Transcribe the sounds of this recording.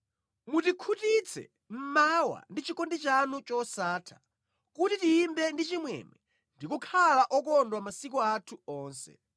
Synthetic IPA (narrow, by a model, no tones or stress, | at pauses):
mutikʰutit͡sʰɛ̰ | m̩mawa̰ndit͡ʃikɔndit͡ʃanut͡ʃɔsaːtʰḁ | kutitiːmbɛndit͡ʃimwɛ̰mɛ | ndikukʰalaʔɔkɔndwamasik̬ɔatʰuɔːnsɛ̰